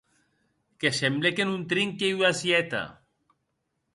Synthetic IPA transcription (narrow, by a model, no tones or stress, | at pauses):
kesemblekenunt̪ɾiŋkewasjɛt̪a̰